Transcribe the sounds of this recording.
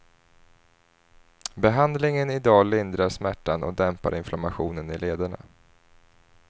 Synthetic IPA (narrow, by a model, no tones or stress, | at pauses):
bɛɦand̪lɪŋənɪd̪ɑːlɪnd̪ɾaʂmæʈːanɔ̰d̪ɛmpa̰ɾɪnflamaɧuːnənɪleːd̪aɳa̰